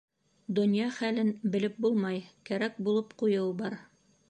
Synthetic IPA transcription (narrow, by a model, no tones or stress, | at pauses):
d̪ŏnjɑχælɘnbɘ̆lɘp̚bulˠmɑjkæɾæk̚bulˠɤpqujɤwbɑɾ